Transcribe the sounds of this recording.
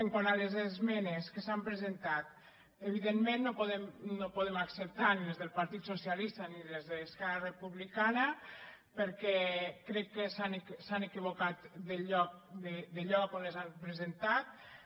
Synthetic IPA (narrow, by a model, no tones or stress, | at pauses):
eŋkwanalezezmɛneskəsampɾezent̪at̪ | eβiðenmẽnːopoðemnopoðemaksəp̚t̪anilezðəlˠpaɾt̪it̪sosialist̪anilezðeːskɛrarepuβlikanəpəɾkɛkɾɛkːesaneksanekiβ̞okat̪d̪əʎɔk̚d̪ed̪eʎɔkonlezampɾezent̪at̪̚